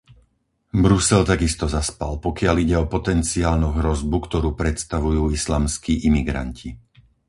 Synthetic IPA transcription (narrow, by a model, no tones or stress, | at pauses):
bɾusɛlt̪aɡist̪ɔzaspalpɔkɪaliɟɛɔpɔt̪ɛnt͡siaːlnuɦɾɔzbukt̪ɔɾuːpɾɛt̪st̪aʋujuːislaːmskiːʔimiɡɾa̰ncʰi